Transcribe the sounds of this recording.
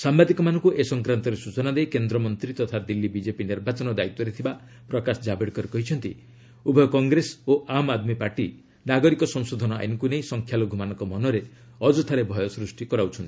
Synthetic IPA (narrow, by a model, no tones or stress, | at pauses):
sambad̪ikɔmanɔŋkuʔesɔŋkɾant̪ɔɾesut͡ʃɔnad̪ejkend̪ɾɔmɔnt̪ɾit̪ɔt̪ʰad̪ilːibid͡ʒepiniɾbat͡ʃɔnɔd̪ait̪ːɔɾet̪ʰiba | pɾɔkasɔd͡ʒabeɽkɔɾekɔɦit͡ʃʰɔnt̪ḭ | ubʱɔjɔkɔŋɡɾesoʔamad̪mipaɾʈi | naɡɔɾikɔsɔŋsod̪ʱɔnɔa̰jnkuneĩsɔŋkʰjaloɡʱumanɔŋkɔmɔnɔɾe | ɔd͡ʒɔt̪ʰaɾebʱɔjɔsɾusʈikɔɾawt͡ʃʰɔnt̪i